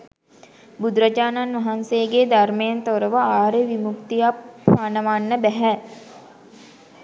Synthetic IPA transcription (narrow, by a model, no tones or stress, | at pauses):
bud̪ɾəd͡ʒaːnanʋɐɦansejɡed̪aɾmejent̪oɾəʋəaːɾeʋimukt̪ijapʋaːnəʋaːnːəbɛɦɛ